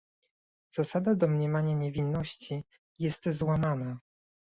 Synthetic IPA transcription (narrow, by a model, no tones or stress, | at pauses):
z̥asad̪ad̪ɔmɲɛmaɲaɲɛvʲinːɔɕt͡ɕi | jɛst̪zwamana